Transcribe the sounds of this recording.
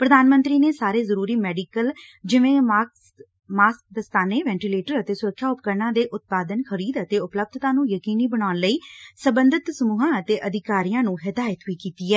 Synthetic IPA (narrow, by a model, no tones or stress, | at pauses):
pɾəd̪aːnmə̃nt̪ɾiːneːsaːɾeːzəɾuːɾiːmɛːɖiːkəld͡ʒɪʋẽː | maːsk̚d̪əst̪aːneːʋɛ̃ːɳʈiːleːʈəɾət̪eːsʊɾəkʰːjaːʊp̚kəɾnãːd̪eːʔʊt̪̚paːd̪ənxʰəɾiːd̪ət̪eːʊpləb̚d̪ʱt̪ãːnũːjəkiːniːbənaːnləiːsəbənd̪ɪt̪səmuːɦãːət̪eːʔəd̪ʱɪkaːɾijãːnũːɦɪd̪aːjət̪ʋiːkiːt̪iːɛː